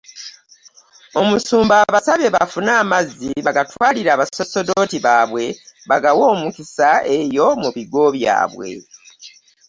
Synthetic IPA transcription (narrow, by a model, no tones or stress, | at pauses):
o̞musuːmbaːβasaβe̞βafunaːmazːiβaɡatwaːliɾaːβaso̞so̞do̞tiβaːβwe̞βaɡawo̞ːmukisae̞jo̞muβiɡo̞βja̰ːβwe̞̰